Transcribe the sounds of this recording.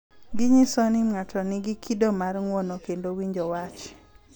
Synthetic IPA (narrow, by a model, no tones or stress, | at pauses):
ɡɪɲisonimŋatʰɔnɪɡɪkʰidomarŋwɔnokendowiɲd͡ʒowat͡ʃ